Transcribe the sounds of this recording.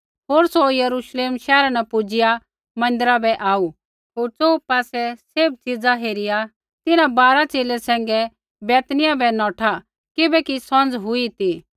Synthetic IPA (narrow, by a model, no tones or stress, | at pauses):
ɦoːɾsojɐɾuʃleːmʃɛːɾanɛpʊd͡ʒɪja | mɐ̃nd̪əɾabɛʔaːu | ɦoːɾt͡soːupaːsɛseb̚t͡sid͡zaɦeːɾɪja | t̪ɪnãbaːɾat͡ʃeːlɛsɛ̃ːŋɡɛ | bɛːt̪nɪjabɛnɔːʈʰa | kɪbɛkisɔ̃nd͡zɦʊit̪i